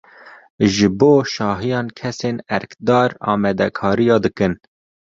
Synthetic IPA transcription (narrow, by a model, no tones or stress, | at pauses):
ʒɨboːʃɑːɦijɑːnkʰɛseːnɛɾkd̪ɑːɾɑ̰ːmɛd̪ɛkʰɑːɾijɑːd̪ɨkɨn